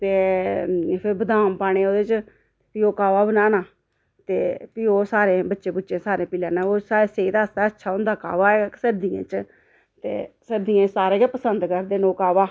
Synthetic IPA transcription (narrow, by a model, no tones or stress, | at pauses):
t̪eː | pʰɪɾbəd̪aːmpaːɽ̃eːoːd̪eːt͡ʃ | piːoːkaːʋaːbənaːnaː | t̪ḛːpiːoːsaːɾeːbətːʃẽːbʊtːt͡ʃẽːsaːɾẽːpɪlãːnãːoːsaːeːseːit̪aːəsd̪aːətːʃʰaːʊnd̪aːka̰ːʋaːɛsəɾd̪ijḛ̃ːt͡ʃ | t̪ḛːsəɾd̪ijãːt͡ʃsaːɾeːd͡ʒapəsənd̪kəɾd̪eːnoːkaːʋaː